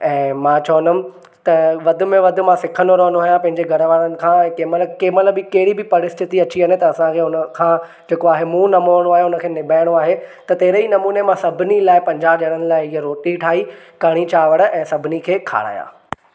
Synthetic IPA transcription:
ɛ̃ːmãːt͡ɕɔːənəm̆ | t̪ɐʋɐd̪ʱʊ̆mẽʋɐd̪ʱʊ̆mãsɪkʰə̃noɾoːnaːɦjãpɐ̃ɦɪ̃ɲd͡ʑeɡʱɐɾəʋaːɾənɪ̆kʰãːɛ̃ːkeːməlkeːmətləbɪkɐɦɪɽibɪpɐɾɪst̪ʰɪt̪iɐt͡ɕiɦɐnet̪ɐɐsãkʰeːʊnəkʰã | d͡ʑeːkoaːɦemũnɐmoːɽ̃oaːɦeʊnə̆kʰeːnɪbʱaːɪɽ̃oaːɦet̪ɐt̪ɐɦɪɾəinɐmuːnemãsɐbʱɪnilaːɪpɐ̃ɲd͡ʑaːb̚ʄɐɽ̃ənɪ̆laːɪiɦeɾoːʈiʈʰaːi | kɐɽ̃it͡ɕaːʋəɽə̆ʔɛ̃ːsɐbʱɪnikʰeːkʰa̰ːɽ̤a̰ːja̰ː

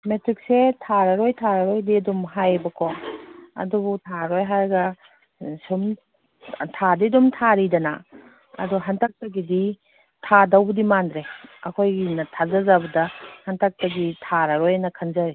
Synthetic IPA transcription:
metɾik̚setʰaɾɐɾojtʰaɾaɾojdiɐdumɦajbɐkʰɔɐ̰dubutʰaɾojɦaɾɡɐ | sum | tʰadidumtʰaɾidɐna̰ | ɐ̰dɔɦantʰak̚tɐɡidi | tʰadawbudimandɾeɐ̰kʰojɡinɐtʰazazabɐdɐhantʰak̚tɐɡitʰaɾaɾojnɐkʰanzaɾi

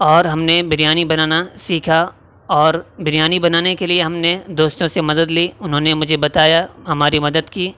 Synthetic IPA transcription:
ɔːɾɦɐmnebɪɾijaːnibɐnaːnasiːkʰa | ɔːɾbɪɾjaːnibɐnaːnekelieɦɐmned̪oːst̪õsemɐd̪əd̪liːʊnɦõːnemʊd͡ʒʱebɐt̪aːjaɦɐmaːɾimɐd̪əd̪kiː

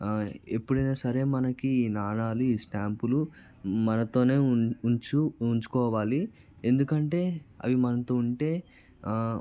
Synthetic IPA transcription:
e̞pːuɽɐnaːsɐɾe̞ːmɐnɐkiiːnaːɳaːluiːsʈaːmpulu | mɐnɐt̪o̞ːne̞ːuɲt͡ʃuuɲt͡ʃu̥kɔːʋaːli | e̞nd̪ukɐɳʈe̞ːɐ̰ʋimɐnɐt̪oːuɳʈe̞ː

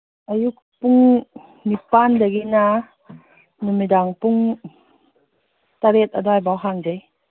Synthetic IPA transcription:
ʔajuk̚ | puŋ | nipandaɡina | numidaŋpuŋ | t̪aɾet̪̚adɔjbawɦaŋd͡ʒej

